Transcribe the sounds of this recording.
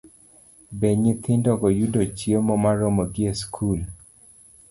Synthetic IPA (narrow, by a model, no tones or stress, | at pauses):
beɲɪt̪ɪndɔɡɔjudot͡ʃiemɔmaɾɔmoɡɪeskʰul